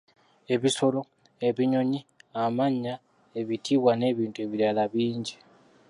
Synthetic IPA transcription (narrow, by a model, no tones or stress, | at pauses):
e̞βiso̞lo̞ | eβiɲo̞ɲiamaɲa | e̞βitʰiβwane̞ːβiːntue̞βiɾalaβiːɲɟi